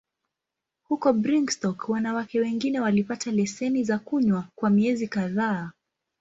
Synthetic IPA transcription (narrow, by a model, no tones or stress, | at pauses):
hukɔbɾiŋɡstɔkwanawakɛwɛŋɡinɛwalipatalɛsɛnizakuɲwakwamiɛzikaðaː